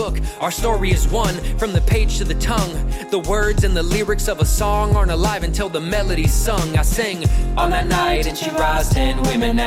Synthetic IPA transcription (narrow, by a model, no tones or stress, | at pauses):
ʊkaʊə˞stɔɹiɨzwʌ̃nfɹʌ̃mðɨpʰeɪd̥d͡ʒʒ̥tʰɨðɨtʰʌ̃ŋðəwɜ˞dzɨ̃nðəlɪɹɨksʌvəsɔ̃ŋə˞ñəlaɪvɨ̃ntʰɪlˠðəmɛlˠɨɾiz̥sʌ̃ŋaɪsɪ̃ŋə̃n̩ɨnaɪɨ̃nʃiɹaɪzɪ̃nwɪ̃mɨ̃n